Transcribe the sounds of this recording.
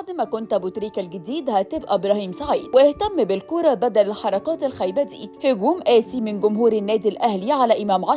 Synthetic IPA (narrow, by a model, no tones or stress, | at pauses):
ʕd̪mækont̪bʊt̪ɾiːkælɡɪd̪iːd̪hæt̪ɪbʔæbɾˤɑhiːmsaʕiːd̪wɪʔɪht̪æmːbɪlkoːɾˤɑbæd̪ælħɑɾˤɑqɑːt̪ɪlxæjbæd̪ḭːhʊɡuːmʔæːsimɪnɡʊmhuːɾɪnːæːd̪ilʔæhliʕalæʔɪmæːmʕɑ